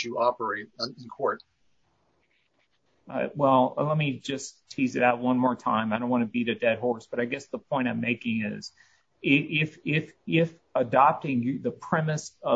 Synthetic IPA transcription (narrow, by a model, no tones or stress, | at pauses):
ɨɑpə˞eɪt̚ɨ̃nkʰɔɹt̚ | ʌ̰wɛlˠlɛt̚mid͡ʒʌstʰizɨɾaʊt̚wʌ̃nmɔɹtʰãɪ̃maɪɾõʊ̃nʔwɑ̃nɨbiɾɨdɛd̚ɦɔɹsb̥ʌɾaɪɡɛsðəpʰɔ̃ɪ̃ɾ̃ãɪ̃meɪkɪ̃ŋɪ̰z̥ | ɪʔɪfɪfɪf | ədɑp̚tɪ̃ŋjɨðɨpʰɹ̥ɛmɨsʌ